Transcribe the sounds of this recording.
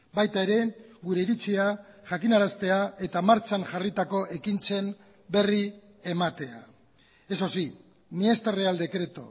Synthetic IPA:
bajt̪ae̞ɾe̞ɡuɾe̞iɾit͡siaʝakinaɾast̪e̞ae̞t̪amaɾt͡ʃanʝarit̪ako̞ʔe̞kint͡se̞n | be̞ri | e̞mat̪e̞a̰ | eso̞si | mie̞st̪are̞ald̪e̞kɾe̞t̪o̞̰

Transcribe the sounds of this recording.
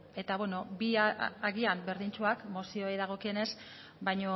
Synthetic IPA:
e̞t̪aβweno̞biaɣiambe̞ɾðint͡ʃuakmo̞sio̞jðaɣ̞o̞kie̞ne̞s | bajɲo̞

